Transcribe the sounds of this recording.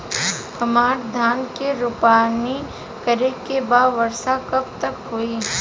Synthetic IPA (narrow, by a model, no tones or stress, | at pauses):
hɐmaːɾd̪ʱaːnkeɾʊpaːni | kəɾekebaːdʋɐɾsakɐp̚t̪ɐkɦoːiː